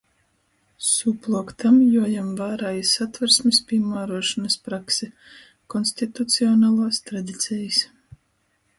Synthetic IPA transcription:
suplˠukt̪amjuɔjamvaːɾaːjisat̪vɛɾsmʲispʲiɛmaːɾuɔʃɔnɐspɾaksɛ | kɔnsʲt̪it̪ut̪siɔnaːlˠaːst̪ɾad̪it̪sʲɛjis

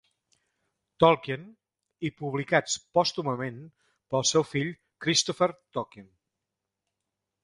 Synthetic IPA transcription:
t̪ɔlˠkən | ipuβlikat͡spɔst̪uməmen | pəlˠsɛwfiʎ | kɾist̪ɔfəɾt̪ɔkin

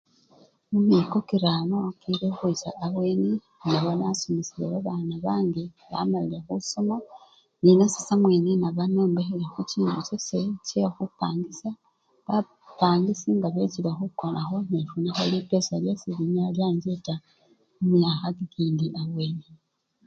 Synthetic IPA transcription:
umikokiɾanokiɾexwisaʔːβweːni | naβanasumisilḛβaβaːnaβaːŋɡi | βa̰malile̞xusoma | ninasi̥samweːnenaβano̞ːmbexelexociːntut͡ʃoset͡ʃexupaːŋɡisa | βa | paːŋɡisiŋɡaβet͡silexukonaxo̞n̥eʃunixalipesaljasiβiɲaljaːɲd͡ʒeta | umaxakikiːndiʔaβwe̞ːni

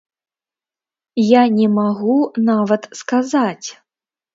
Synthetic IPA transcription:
janʲɛmaɣunavɐt̪skazat͡sʲ

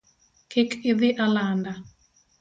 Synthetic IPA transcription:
kʰɪkʰɪðɪʔalanda

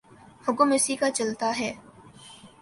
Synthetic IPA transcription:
hʊɡumɪsikat͡ʃɐlt̪aɦɛː

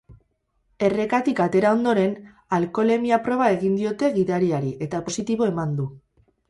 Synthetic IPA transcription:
e̞re̞kat̪ikat̪e̞ɾao̞nd̪o̞ɾe̞n | alko̞le̞miapɾo̞β̞ae̞ɣind̪io̞t̪e̞ɣiðaɾiaɾiʔe̞t̪apo̞sit̪iβo̞e̞mand̪u

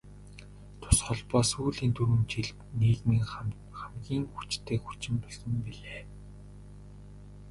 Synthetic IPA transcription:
t̪ʰʊ̥sχɔɮpɔːsuːɮiːnt̪ʰuɾɘ̆mt͡ɕiɮpniːkmiŋ | χamɡʲiːŋxut͡ɕt̪ʰeːkxut͡ɕɪ̆mpɔɮsɞ̆mpiɮeː

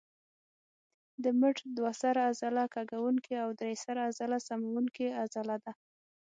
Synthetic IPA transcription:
d̪əməʈd̪wasaɾaazalakaɡawuŋkeawd̪ɾejsaɾaazalasamawuŋkeazalad̪a

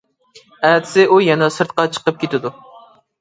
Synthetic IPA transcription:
æd̪ʰɪ̥sɪʔujɛnɛsɨɾt̪̚qɑt͡ʃʰə̥qəp̚kʲʰet̪ɪd̪u

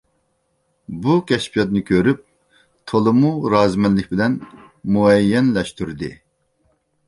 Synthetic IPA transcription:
bukʲʰɛʃpʰijɑt̪nɨkʲʰøɾyp̚ | t̪ʰolˠɨmuɾɑːzmɛnlɪkʲbɪlɛn | muɛjːɛnlɛʃt̪yɾd̪ɨ̰

